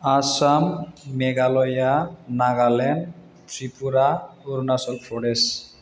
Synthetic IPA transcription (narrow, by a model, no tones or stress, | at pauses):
asamːeɡalɔjanaɡalɛn | tʰɹipuɾaoɾunasɔlpʰɔɽes